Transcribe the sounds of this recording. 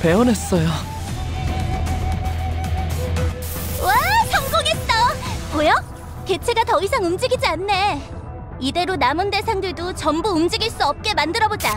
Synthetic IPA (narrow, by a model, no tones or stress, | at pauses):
pe̞ʌnɦe̞s͈ʌjo | wat͡ɕʌŋɡoɡes͈ʌmojʌ | ke̞t͡ɕʰe̞ɡatʌisʰaŋumd͡ʑiɡid͡ʑianːe̞ | ide̞ɾonamɯnde̞sʰaŋdɯɭdot͡ɕʌmbuːmd͡ʑiɡiɭs͈uʌp̚k͈e̞mandɯɾʌbod͡ʑa